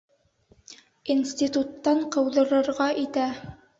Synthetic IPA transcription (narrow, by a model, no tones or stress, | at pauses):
insʲt̪ʲit̪ut̪ːɑɴqɤ̆wðɤ̆ɾɤ̆ɾʁɑʔit̪æ